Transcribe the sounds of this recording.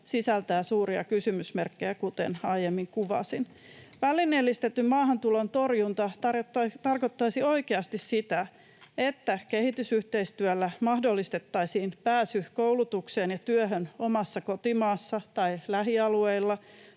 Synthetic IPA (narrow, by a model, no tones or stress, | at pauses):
sisælt̪æːsuːɾiɑ̰kysymysmerkːejækut̪ḛnɑijemːiŋkuʋɑ̰sin | ʋælːˑinːelːist̪et̪ːymmɑːɦɑnt̪ulont̪o̞rjunt̪ɑt̪ɑt̪ɑrko̞t̪ːɑisio̞ikeɑst̪issit̪æ | et̪ːæke̞hit̪ysyht̪e̞ist̪yælːæmɑhdolːist̪et̪ːɑisiːnpæːsykoulut̪ukseːnjɑt̪yøɦøno̞mɑsːɑko̞t̪imɑːsːɑt̪ɑilæɦiɑlue̞ilːɑ